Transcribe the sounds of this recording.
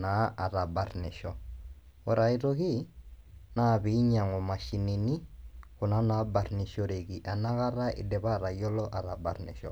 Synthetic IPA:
na˨˦a˨ɾa˨ba˨rnɛ˨ʃɔ˦ | ɔ˨ɾa˨i˨ɾoɣi˦ | na˦˨βi˨˦ɲa˨ŋɔ˨ma˨ʃi˨ne˨ni˦kʊ˨na˦na˨˦ba˨ɾni˨ʃɔ˦ɾe˨ɣi˨ʔa˨na˦ɣa˦ɾa˦ɪ̰˨dɛ˨βa˦˨ɾa˨jɔ˦lɔ˦ʔa˨ɾa˨ba˨ɾnɛ̰˨ʃɔ̰˨

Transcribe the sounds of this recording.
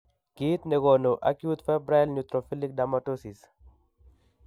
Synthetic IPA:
ki˦t̪ne˨ɣo˨no˨ʔa̰˦kju˦t̪fɛ˦bɾa˦lɲut̪ɾo˨fi˦li˦k̚damato˦si˨s

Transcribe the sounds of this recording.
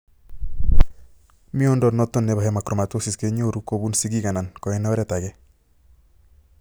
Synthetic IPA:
mi˦o˦ndɔ˨tnɔ˦tːo˦nːe˨ba˨ɦɛ˦ma˨kɾɔ˨ma˨two˦sɪ˨ske˦ɲo˦ɾu˦ko˦bu˦nsi˦ɡi˦ka˨na˨nkɔ˨ɛ˦nɔ˦ɾɛ˦˨ta˨ɡɛ˦

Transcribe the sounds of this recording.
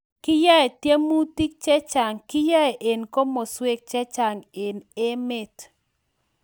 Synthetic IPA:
kɪ˦ja˦e˨tje˦mu˦ti˦k̚t͡ʃɛ˦t͡ʃa˨ŋkɪ˦ja˦e˨ʔe˨nko˦mo˨swe˦k̚t͡ʃɛ˦t͡ʃa˨ŋe˨ne˦me˦t

